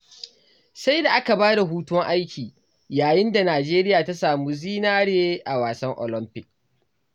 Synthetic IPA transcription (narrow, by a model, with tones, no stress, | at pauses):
sa˦jda˨ʔa˦ka˨baː˦da˨ɦuː˦tʊ˦wɔ˦ŋʔa˦jkʲiː˨ | jaː˨jɪ˦nda˨naː˨d͡ʒeː˦ɾɪ˦jaː˨ta˦saː˨muː˦ziː˦naː˦ɽeː˦ʔa˨waː˨sɐ˦ŋʔo̰˨lɔ˦mpɪ˦k̚